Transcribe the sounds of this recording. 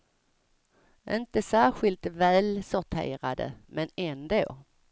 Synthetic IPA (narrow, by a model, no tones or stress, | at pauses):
ʔɪnt̪əsæːɾɧɪlt̪væːlsʊɾʈ̪ʰḛːɾad̪ə̰mɛnɛnd̪oː